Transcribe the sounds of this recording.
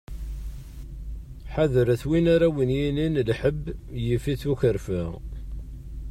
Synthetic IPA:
ħaðəɾæθwinaɾawənjininlħəbːjifiθuçəɾfə

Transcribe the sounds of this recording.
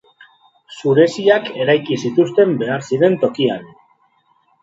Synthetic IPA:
suɾe̞siake̞ɾajkisit̪ust̪e̞mbe̞aɾsiɾe̞nt̪o̞kian

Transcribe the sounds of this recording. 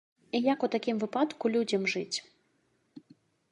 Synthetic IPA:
ijakɔt̪akʲimvɨpat̪kulʲudʲəmʐɨtʲ

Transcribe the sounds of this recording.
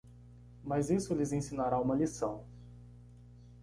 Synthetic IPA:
mazisʊlɪzẽsĩnaɾaũmɐlisɐ̃w̃

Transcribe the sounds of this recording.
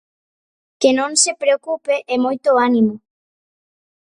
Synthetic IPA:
kenõnsepɾeokupeʔɛmojt̪oanimo

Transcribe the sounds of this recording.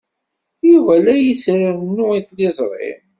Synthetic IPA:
juvælæjisɾiɾnːʊiθlɪzˤɾˤɪ̰m

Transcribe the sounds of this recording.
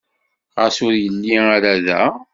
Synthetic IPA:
ʁəsʊɾjənːiaɾaðæ̰

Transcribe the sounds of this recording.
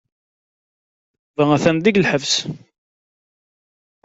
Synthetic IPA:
vææθænd̪iɡlħəvs

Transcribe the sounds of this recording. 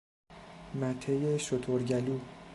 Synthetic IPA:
mæt̪ʰejeʃot̪ʰoɾɟæluː

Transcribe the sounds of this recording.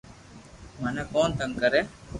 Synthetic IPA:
məneːkoːnt̪əŋkəɾeː

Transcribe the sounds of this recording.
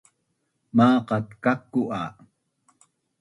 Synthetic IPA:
mɑːqɑt̪kakːuʔɑ

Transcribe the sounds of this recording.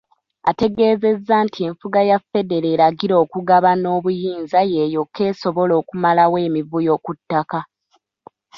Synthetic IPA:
ate̞ɡe̞ːze̞zːaːntʰie̞ɱfuɡajafe̞de̞ɾe̞ːɾaɡiɾo̞ːkuɡaβano̞ːβujiːnzaje̞ːjo̞kʰːe̞ːso̞βo̞lo̞ːkumalawe̞ːmivujo̞ːkutːaka

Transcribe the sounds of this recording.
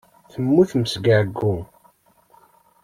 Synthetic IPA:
θəmːuθməsɡaʕɡːu

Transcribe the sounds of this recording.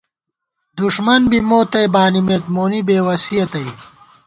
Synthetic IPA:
d̪uʂmɐnbimoːt̪ɐjbaːnimeːt̪moːnibeːwɐsijɐt̪ɐj

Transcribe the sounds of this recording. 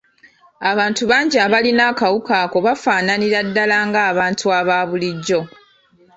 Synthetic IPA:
aβaːntuβaːɲɟiaβalinaːkawukaːko̞βafaːnaniɾadːalaːŋɡaːβaːntʰuaβaːβuliɟːo̞

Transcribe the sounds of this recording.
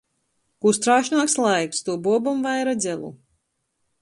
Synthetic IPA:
kust̪ɾaːʃnaːkslˠajkst̪uɔbuɔbumvajɾad̪zʲɛlˠṵ

